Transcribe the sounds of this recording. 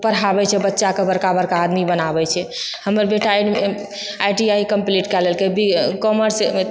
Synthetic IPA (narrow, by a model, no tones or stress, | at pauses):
pəɾabɛt͡ʃʰɛbətːʃakebəɾkabəɾkaːd̪mibənabɛt͡ʃʰɛ | həməɾbeʈa | ajʈiaikəmpliʈkɛlɛlkebikɔməɾs